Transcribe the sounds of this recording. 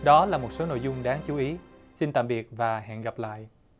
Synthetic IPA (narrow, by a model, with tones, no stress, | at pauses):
ɗɔ˨˦laː˨˩mo˨˩t̚so˨˦no̰˧˨jzʊ˧ŋ͡mɗaː˨˦ŋt͡ɕu˨˦ʔi˨˦ | si˧nt̪a̰ː˧˨mɓi˨˩ət̚vaː˨˩ɦɛ̰ː˧˨nɣa˨˩p̚la̰ː˧˨jʔ